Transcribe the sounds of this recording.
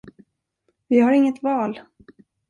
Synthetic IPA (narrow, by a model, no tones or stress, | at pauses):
vɪhaɾɪŋːət̪vɑːl